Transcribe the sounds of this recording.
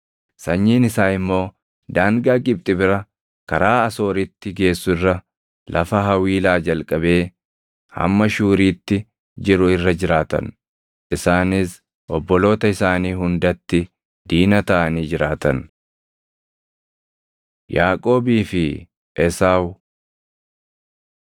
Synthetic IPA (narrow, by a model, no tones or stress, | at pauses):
sɐɲːiːnɪsaːɪmːo̞ː | d̪aːŋɡaːkʼɪb̚t̪ʼɪbɪɾɐ | kɐɾaːɐso̞ːɾɪt̪ːɪɡe̞ːsːʊɪrːɐ | lʔɐfɐɦɐwiːlaːd͡ʒɐlkʼɐbe̞ː | hɐ̰mːɐʃuːɾiːt̪ːɪ | d͡ʒɪɾʊɪrːɐd͡ʒɪɾaːt̪ɐ̰n | ʔɪsaːnɪs | ʔɔbːɔlo̞ːt̪ɐɪsaːniːɦʊnd̪ɐt̪ːɪ | d̪iːnɐt̪ɐʔɐniːd͡ʒɪɾaːt̪ɐn | jaːkʼo̞ːbiːfɪ | ʔɛsaːw